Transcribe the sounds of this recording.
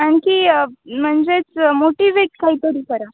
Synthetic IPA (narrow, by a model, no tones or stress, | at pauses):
aɳkiːm̤əɳd͡zet͡smoʈiʋeʈ̚kaɦiːt̪əɾiːkəɾa